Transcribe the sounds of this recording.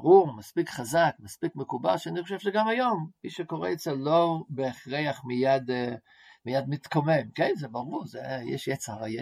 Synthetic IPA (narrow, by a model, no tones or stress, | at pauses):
aʁuʁmaspikχazakmaspikmekuba̰lʃaniχoʃevʃeɡamajomːiʃekoʁḛjet͡selobeːχʁejaχmijad̪ | mijad̪mit̪komemkenzɛbaʁuʁzɛjɛ̰ʃjɛt͡saajɛ